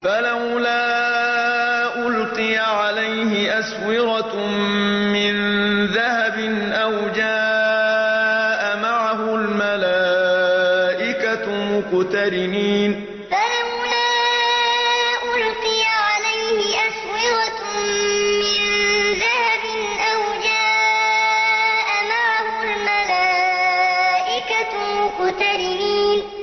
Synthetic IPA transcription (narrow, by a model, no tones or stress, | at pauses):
falawlaː | ʔʊlqɨjaʕalajhɪʔaswɪɾɑ | mɪnðahabɪnʔawd͡ʒaː | ʔamaʕaɦʊlmala | ʔɪka | mʊqt̪aɾɪniːn | ðalamʊnaː | ʔʊlqɨjaʕalajhɪʔaswɪɾa | mɪnðahabɪnʔawd͡ʒaː | ʔamaʕahʊlmalaː | ʔɪka | mʊqʊt̪aɾɪniːn